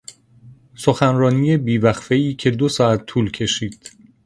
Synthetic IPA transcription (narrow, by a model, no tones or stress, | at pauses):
soxænrɒːniːjebiːvæxfe̞iːcʰe̞d̪osɒːæt̪ʰːuːlcʰe̞ʃiːd̪̥